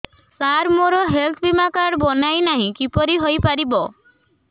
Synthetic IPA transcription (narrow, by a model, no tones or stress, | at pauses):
saɾmoɾɔɦelt̪ʰbimakaɽbɔnajnaɦĩkipɔɾiɦojpaɾibɔ